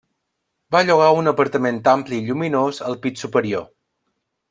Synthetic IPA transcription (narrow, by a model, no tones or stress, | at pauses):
baʎuɣ̞aunəpəɾt̪əment̪ampliːʎuminozəlˠpisupəɾio̰